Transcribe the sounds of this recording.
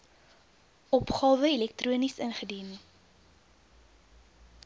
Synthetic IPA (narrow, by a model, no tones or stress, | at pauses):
ʔɔpχɑːvəilɛk̚truənisənχədin